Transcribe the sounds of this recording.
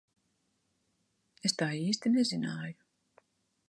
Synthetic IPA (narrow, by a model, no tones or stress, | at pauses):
est̪aːiːsʲt̪inezinaːju